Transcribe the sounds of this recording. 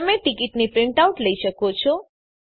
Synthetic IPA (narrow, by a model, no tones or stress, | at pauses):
əmeʈɪkɪʈnipɾɪ̃ɳʈauʈləiʃəkot͡ʃʰo